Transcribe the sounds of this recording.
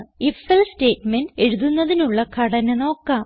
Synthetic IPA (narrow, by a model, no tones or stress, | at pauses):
ifelste̞ːtmenɖe̞ɻuðunːɐðinuɭːɐkʰɐɽɐneno̞ːkːaːm